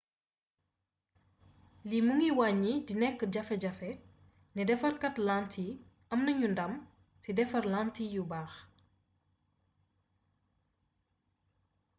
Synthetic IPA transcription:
limuŋiwaɲːidinɛkːəɟɐfɛɟɐfɛ | nidɛfɐrkɐtlantʰi | ɐmnɐɲundɐm | sidɛfɐrlaːntijubaːx

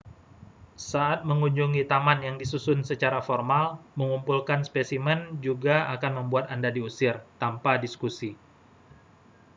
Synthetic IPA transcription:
saat̪̚məŋuɲd͡ʒuŋit̪amanjaŋdisusʊnsət͡ʃaɾafɔrmalməŋumpulkanspesimɛnd͡ʒuɡaakanməmbuat̪andadiusɪrt̪ampadiskusi

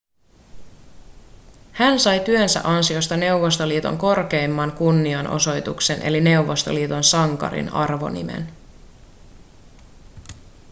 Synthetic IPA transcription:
hænsɑjt̪yønsæ̰ʔɑnsio̞st̪ɑne̞uʋo̞st̪o̞liːt̪o̞̰ŋko̞rke̞jmːɑŋkunːiɑnʔo̞̰so̞jt̪ukse̞nʔe̞̰line̞wʋːo̞st̪o̞̰liːt̪o̞nsɑŋkɑ̰ɾḭnɑrʋo̞̰nḭme̞̰n

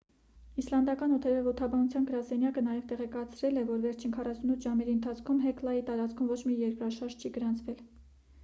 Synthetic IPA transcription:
islɑnd̪ɑkɑnɔt̪ʰɛɾɛvɔt̪ʰɑbɑnut͡sʰjɑnɡəɾɑsɛnjɑkənɑjɛvt̪ɛʁɛkɑt͡sʰɾɛlɛvɔɾvɛɾt͡ʃʰinkʰɑrɑsunut̪ʰʒɑmɛɾiənt̪ʰɑt͡sʰkʰumɦɛklɑjit̪ɑɾɑt͡skʰumvɔt͡ʃʰmijɛɾkɾɑʃɑɾʒt͡ʃʰiɡəɾɑnt͡sʰvɛl

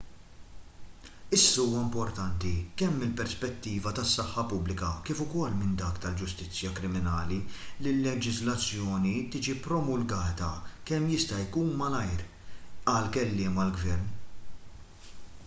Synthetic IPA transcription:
ɪsːɐuːwɐmpɔɾt̪ɐnt̪ikɛmːɪlpɛɾspɛt̪ːiːvɐt̪ɐsːɐħːɐpʊblɪkɐkɪːfʊkɔlːmɪnd̪ɐːkt̪ɐld͡ʒʊst̪ɪt͡sːjɐkɾɪmɪnɐːlilɪlːɛd͡ʒɪzlɐt͡sːjɔːnit̪ɪːd͡ʒipɾɔmʊlɡɐːt̪ɐkɛmːjɪst̪ɐjkuːnmɐlɐjɾ | ɐlkɛlːɪːmɐlɡvɛɾn

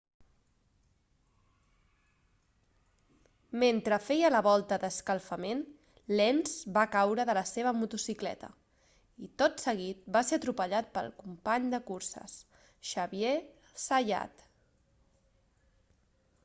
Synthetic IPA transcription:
ment̪ɾəfɛjələβ̞ɔlˠt̪əðəskəlˠfəmen | lɛnzbakawɾəðələseβ̞əmut̪usiklɛ̰t̪ə̰ | it̪ot̪səɣ̞it̪̚baseət̪ɾupəʎat̪̚pə̰lˠkumpaɲd̪əkursə̰s | ʃəβie | səja̰t̪

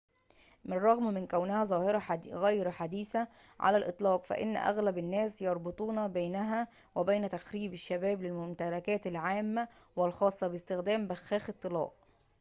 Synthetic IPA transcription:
mɪrˤːɑɣmmɪnkæwnɪhæzˤɑːhɾɑɣæːjɾħad̪iːθæ | ʕa̰lælʔɨt̪ˤlɑːqfæ̰ʔɪ̰n̰ːʔæ̰ɣlæbɪnːæːsjɑɾˤbot̪ˤuːnɑbæjnæɦæ | wæbæjnæt̪æxɾiːbɪʃːæbæːblɪlmʊmt̪ælækæːt̪ɪlʕaːmːæwɪlxɑːsˤːɑbɪst̪ɪxd̪æːmbæxæːxɨt̪ˤːɨlɑ̰ːʔ

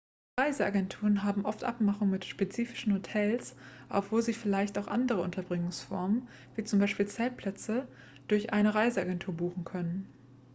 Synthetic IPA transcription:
ʁaɪzəaɡɛntʰuːʁənɦaːbm̩ʔɔftʔa̰pmaχʊŋmɪtʃpet͡siːfɪ̥ʃn̩hotʰɛlsʔa̰ʊfv̥oːziːfɪlaɪçtaʊxʔa̰ndəʁəʊntʰɐbʁɪŋʊŋsfɔɐmən | viːt͡sʊmbaɪʃpiːlt͡sɛːlpʰl̥ɛt͡sə | d̥ʊɐçʔaɪnəʁaɪzəaɡɛntʰuːɐbuːχn̩kʰœnən

